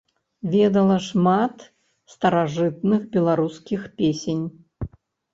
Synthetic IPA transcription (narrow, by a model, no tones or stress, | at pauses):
vʲɛd̪ɐlˠɐʂmat̪ | st̪ɐɾaʐɨt̪nɨxbʲɛlˠaɾuskʲixpʲesʲenʲ